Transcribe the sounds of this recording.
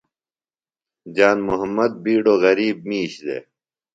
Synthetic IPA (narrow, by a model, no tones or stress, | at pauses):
d͡ʑaːnmuɦɐmːɐd̪̚biːɖoːɣɐɾiːb̚miːɕd̪ḛː